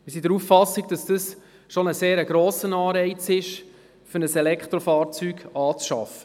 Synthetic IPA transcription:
mɪsidəɾufːɑsiɡ̚d̥ɑsd̥əs | ʃonəseːɾəɡ̥ɾoːsənɑːɾɛɪt͡sɪʃ | fəɾnəsɛlɛkχtɾofɑːɾt͡syːɡ̥ɑːt͡sʃɑ̰fə̥

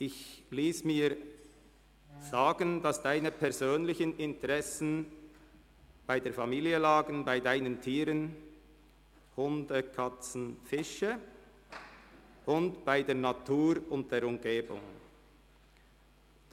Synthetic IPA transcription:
ʔɪçliːsmiːʁ | z̥aːɡəndɑsd̥aɪnəpʰɛʁzøːnlɪçənʔɪntəʁɛsn̩ | b̥aɪdeːɐfamiːliəlaːɡən̩baɪdaɪnəntʰiːɾən | hʊndəkʰat͡sn̩fɪʃə | ʔʊntb̥aɪdeːɐnatʰuːɾʊnt̚d̥eːɾʊmɡeːbʊ̰ŋ

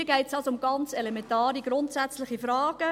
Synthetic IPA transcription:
əɡɛɪtsd̥ɑsʊmɡ̥ɑnt͡selemɛntaːɾiɡɾʊntsæt͡slɪχifɾɑːɡ̥ə

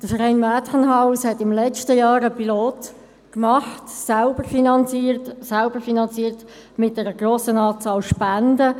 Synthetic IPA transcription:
d̥əfəɾɛɪnmæːtχənɦaʊshɛtɪmlɛt͡ʃtəjɑːɾəpiloːt | kmɑχtsælbəɾfinɑnt͡siːɾtsalbəɾfinɑnt͡siːɾt | mɪt̚dɛɾəɡ̥roːsənɑːt͡sɑːlʃpændə

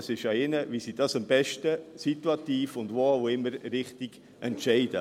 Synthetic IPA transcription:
sɪʃɑɪnəʋisid̥ɑsɑmbɛʃtəsit̪uɑt̪iːfʊndʋoːaʊɪmːəɾɾɪχtiɡ̥ | ʔɛntʃɛɪd̥ə̰

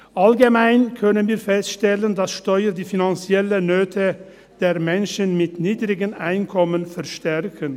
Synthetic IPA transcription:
ʔalɡəmaɪnkʰœnənviːɐfɛstʃtɛləndasʃtɔʏəɾdiːfinant͡sjɛlənøːtʰə | d̥eːɐmɛnʃənmɪtniːdʁɪɡənʔaɪnkʰɔmənfɛʁʃtɛʁkʰən

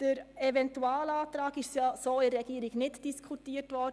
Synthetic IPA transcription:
d̥əɾɛvɛntuaːlaːtɾaːɡɪʃsjasoːɪɾɛɡiəɾɪɡnɪtd̥iskʰutiːəɾtʋɔɾdə

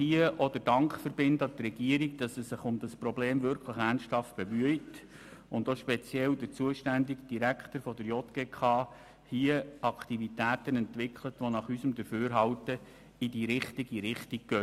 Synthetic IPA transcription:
hiːəʔɔd̪əd̥ɑŋkχfəɾbɪndɑt̪rɛɡ̥iəɾiɡ̚d̥ɑsɛsːɪχʊmd̥ɑsprɔbleːmvʏɾkχləχæːnʃthɑft̚b̥emyəjt | ʊndoʃpɛt͡sjɛldəɾt͡suəʃtændiɡd̥iɾækχtəɾfɔd̪əɾjɔt̪ɡ̥eːkʰɑː | hiəɑktivitæːtənɛntʋɪkχlətʋonɑχysəmd̪əɾføːɾɦɑwtə | idiɾɪχtiɡiɾɪχtik̚ɡ̥œ

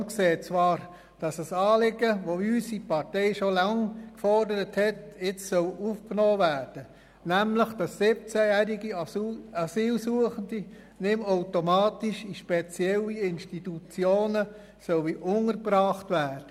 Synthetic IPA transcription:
nkseːt͡sʋɑːɾ | d̥ɑsəsɑːlɪɡəʋoysipɑrtɛɪʃolɑŋkfɔrdəɾəthɛtɪt͡ssœwufknɔːʋæːrd̥ə | næmləχd̥ɑsːɪp̚t͡sæjæːɾiɡiɑsiːlsuəχəndi | nɪmoʊtomɑːtiʃiʃpɛt͡sjɛlːiɪnʃtitut͡sjoːnə | sɔlʋiʔʊŋərbrɑːχtʋæːrd̥ə

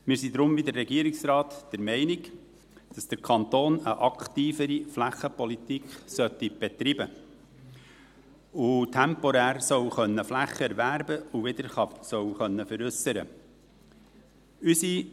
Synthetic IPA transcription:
mɪːɾsid̪ɾʊmvid̪əɾːɛɡiəɾɪksɾɑːt̪d̥ɛɾmɛɪnɪɡ | d̥ɑsd̪̥əɾkʰɑnt̪oːnəʔɑkχt̪iːfəɾiflæχːəpɔlit̪ikχsœtːib̥ɛt̪ɾibə | ʊtʰɛmpɔɾæːɾsœwχœnːəflæχːəɛɾvæɾbəuʋɪd̪əɾɑsœwχœnːəfəɾʏsəɾə̰ | ysi

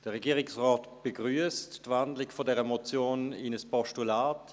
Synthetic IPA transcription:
d̥əʁɛɡiːʁɪksʁɔːtb̥eɡʁyəstːvandlɪɡfodɛʁəmot͡sjoːnɪnəspɔʃtulaːt

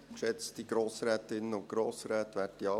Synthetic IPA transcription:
kʃɛt͡std̥iɡ̥ɾoːsɾɛːt̪ɪnːəʊntɡ̥ɾoːsɾɛːt̪ʋæːtiɑ

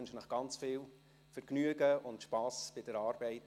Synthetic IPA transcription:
nʃənəχɡ̥ɑnt͡sfɪːl | fəɾknyəɡəʊntʃpɑːsb̥ɪd̥əɾɑːɾbɛɪt

